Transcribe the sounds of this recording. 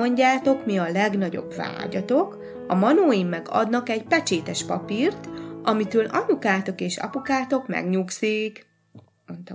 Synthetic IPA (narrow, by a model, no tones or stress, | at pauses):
oɲɟaːt̪o̞kmiɒlɛɡnɒɟo̞̰bva̰ːɟɒt̪o̞k | ɒmɒnoːimːɛɡɒ̰d̪nɒkɛɟpɛt͡ʃeːt̪ɛʃpɒpiːrt̪ʔɒmit̪øːlɒnukaːt̪o̞keːʃɒ̰pukaːt̪o̞kmɛ̰ɡɲuksiːk | mont̪ɒ